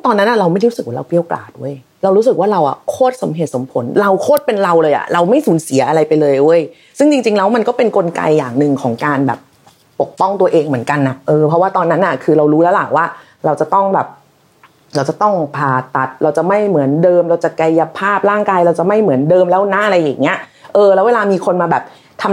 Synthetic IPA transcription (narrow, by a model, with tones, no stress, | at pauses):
t̪ɔː˧nːa˦˥nʔa˨˩ɾa˧wma˥˩jɾuː˦˥sɯ˨˩k̚waː˥˩ɾa˧wpi˧˥˩ə˧wkla̰ː˨˩t̪̚ʔṵ˧˥˩ə˨j | ɾa˧wɾu˦˥sɯ˨˩k̚waː˥˩ɾa˧wʔa̰˨˩kʰoː˥˩t̪̚so˩˦mɦeː˨˩so˩˦mpʰo˩˦nɾa˧wkʰoː˥˩t̪̚pe˧nɾa˧wlɤː˧jʔa̰˨˩ɾa˧wma˥˩jsuː˨˩˦nsi˨˩˦ʔa˧ɾa˧jpa˧jlɤː˧jʔo˧˩˨j | sɯ˥˩ŋt͡ɕi˧ŋt͡ɕi˧ŋlɛː˦˥wma˧nkɔː˥˩pe˧nko˧nka̰˧jːaː˨˩ŋnɯ˧ŋkʰɔː˩˦ŋkaː˧nbɛ̰ː˨˩p̚ː | o˨˩k̚pɔ˥˩ŋt̪u˧ɐʔeː˧ŋmɯ˩˦ənka˧nːa˨˩ʔɤː˧pʰɔ˦˥waː˥˩t̪ɔː˧nːa˦˥nʔa˨˩kʰɯː˧ɾa˧wɾuː˦˥lɛ˦˥wla̰˨˩waː˥˩ | ɾa˧wt͡ɕa˨˩t̪ɔ˥˩ŋbɛː˨˩p̚ | ɾa˧wt͡ɕa˨˩t̪ɔ˥˩ŋpʰaː˧t̪a˨˦˩t̪̚ɾa˧wt͡ɕa˨˩ma˥˩jmɯ˩˦əndɤː˧mɾa˧wt͡ɕa˨˩ka˧jːa˧pʰaː˥˩p̚ɾaː˥˩ŋkaː˧jɾa˧wt͡ɕa˨˩ʔma˥˩jmɯ˩˦əndɤː˧mlɛː˦˥˩wna˦˥ʔɾa˧jːaː˨˩ŋːi˦˥ɐʔɤː˧lɛː˧˦˥weː˧laː˧miː˧kʰo˧nmaː˧bɛː˨˩p̚ | t̪ʰa˧m